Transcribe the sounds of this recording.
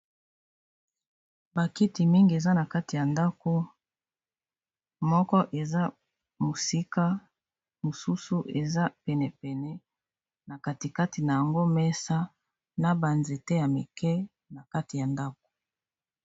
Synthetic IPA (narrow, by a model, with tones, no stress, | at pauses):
ba˨ki˦ti˨mi˦ŋɡi˨e˨za˦na˨ka˦ti˨ja˨nda˦ko˦ | mɔ˦kɔ˦ʔe˨za˦ | mo˨si˦ka˦ | mo˨su˦su˦ʔe˨za˦pɛ˨nɛ˨pɛ˨nɛ˦ | na˨ka˨ti˨ka˦ti˨na˨ja˨ŋɡo˦mɛ˦sa˦ | na˦ba˨nze˨tɛ˦ja˨me˨kɛ˦ | na˨ka˦ti˨ja˨nda˦k̚o̥˨